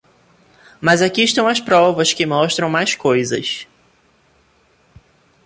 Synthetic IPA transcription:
mɐzakiɪʃt̪ɐ̃w̃ɐspɾɔvɐskɪmɔʃt̪ɾɐ̃w̃majskojzɐ̰s

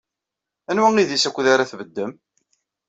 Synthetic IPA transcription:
ænwæŋiðisækʷːðaɾaθvəd̪ːəm

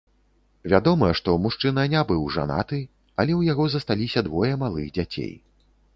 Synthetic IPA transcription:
vʲad̪ɔmɐʂt̪ɔmuʂt͡ʂɨnɐnʲabɨwʐa̰na̰t̪ɨ | ɐlʲɛwjaɣɔzɐst̪alʲisʲɐd̪vɔjɐmalˠɨ̰ɣd͡zʲat͡sʲḛj

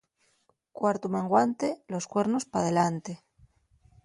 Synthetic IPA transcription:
kwaɾt̪umẽŋɡwant̪e̞lo̞skwe̞ɾnospaðe̞lant̪e

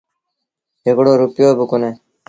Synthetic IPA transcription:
ekɽoːɾupjoːbukʊneː

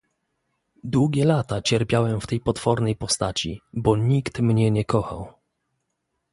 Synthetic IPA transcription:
d̪wuɡʲɛlat̪at͡ɕɛɾpʲjawɛmft̪ɛjpɔt̪fɔɾnɛjpɔst̪at͡ɕḭbɔɲikt̪mɲɛɲɛkɔxa̰w

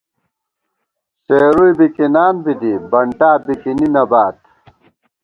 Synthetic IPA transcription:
seːɾujbikinaːnbid̪ibɐɳʈaːbikininɐbaːt̪̚

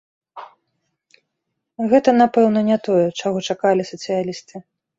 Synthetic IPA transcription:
ɣɛt̪ɐnapɛwnɐnʲɛt̪ɔjɛt͡ʂaɣɔt͡ʂakalʲisɐt̪sɨjalʲist̪ɨ

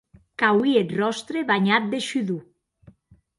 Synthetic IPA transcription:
kawiet̪rɔst̪ɾeβaɲat̪̚d̪eʃyðu

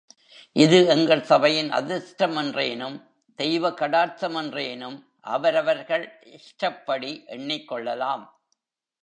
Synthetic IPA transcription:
ʔɪðɯɛŋɡɐɭsɐbɐjɪnɐ̰ðɪsʈɐmɛndreːnɯm | d̪̥ɛjʋɐkɐɽaːɾt̪ɐmɛndreːnɯm | ʔɐ̰ʋɐɾɐʋɐɾɣɐɭʔɪʂʈɐpːɐɽiʔɛɳːɪkːɔɭːɐlaːm

